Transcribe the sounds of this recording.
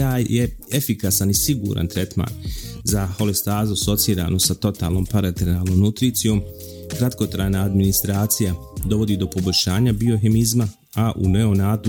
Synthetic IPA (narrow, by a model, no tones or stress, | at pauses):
aːjjeefikasanisiɡṵːɾʔa̰nt̪ɾet̪ma̰ːnzaho̞lest̪aːzuso̞t̪siːɾa̰ːnosat̪o̞t̪a̰ːlˠno̞ːmpaɾat̪eɾnaːlˠno̞mnut̪ɾiːt̪sijo̞ːm | kɾat̪ko̞t̪ɾaːjnaːd̪minist̪ɾaːt̪sija | d̪o̞ʋo̞d̪iːd̪o̞po̞bo̞ʎʲʃaːɲabio̞ɦe̞mizma | aʔṵneo̞naːd̪u